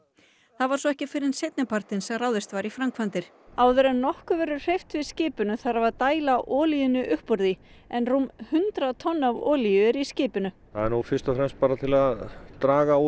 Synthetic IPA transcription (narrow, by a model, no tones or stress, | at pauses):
θaðvaɾsɔɛhcɪfɪɾɪnsejt̪nɪpʰaɾ̥t̪ɪnsɛmrawðɪst̪vaɾifɾamkʰvant̪ɪɾ̥ | aːwðʏɾɛnnɔhkʏvɛɾʏɾ̥r̥ejft̪vɪðscɪːpʏnʏθaɾavaɾt̪aːjlaʔɔːlijʏnːʏʔʏhpɔɾðiɛnrumhʏnt̪ɾat̪ʰɔnːavɔːlijʏɾiscɪːpʏnʏ | aðɛɾnufɪɾst̪ɔfɾɛmst̪̚paːɾat̪ʰɪlaðt̪ɾaːɣau